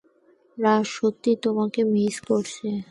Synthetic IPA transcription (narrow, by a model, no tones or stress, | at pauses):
ɾaʃot̪ːit̪omakemiskoɾt͡ɕʰe